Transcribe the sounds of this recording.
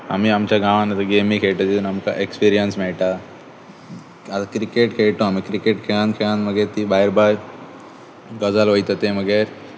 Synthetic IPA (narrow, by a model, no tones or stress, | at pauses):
ɐ̰miɐmt͡ʃaɡaːʋanɐt̪ɐɡeːmikʰeːjʈɐd͡ʒunɐmkaʔekspiːɾijɐnsmɛːʈa | ɐt̪kɾikeʈkʰejʈõɐmikɾikeʈkʰeãːnkʰeãːnmɐɡeɾt̪ibaːiɾbaːɾ | ɡɔzalʋɐjt̪ɐt̪emɐɡeɾ